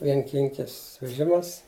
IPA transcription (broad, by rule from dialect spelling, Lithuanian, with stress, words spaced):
ʋʲiɛŋʲˈkʲɪŋʲkʲɪs ʋʲɛˈʒʲɪmɐs